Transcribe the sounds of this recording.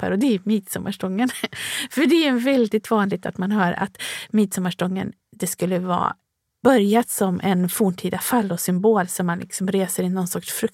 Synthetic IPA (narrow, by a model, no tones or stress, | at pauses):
pʰa̰ɾɔd̪ɛæmiːt̪sɔmʔa̰ʂʈɔŋːənfœɖɛævɛld̪ɪt̪vɑːnlɪɡ̚t̪a̰t̪manhœːɾa̰t̪miːt̪sɔmːaʂʈɔŋːə̰n | d̪ɛskɵlːəvɑ̰ː | b̥œɾjat̪sɔmʔɛnfuːɳʈʰiːd̪afalːɔsʏmboːlsɔmːanlʔɪ̰ksɔmɾeːsəɾɪnːɔnsɔkʂfɾɵk̚